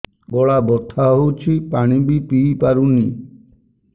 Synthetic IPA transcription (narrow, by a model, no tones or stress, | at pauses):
bɔɭabɔt̪ʰːaɦowt͡ʃʰipaɽ̃ibipipaɾuni